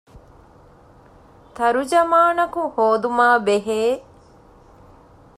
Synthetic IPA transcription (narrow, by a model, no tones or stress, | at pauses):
t̪ɐɾud͡ʒɐmaːnɐkuhoːd̪umaːbeɦeː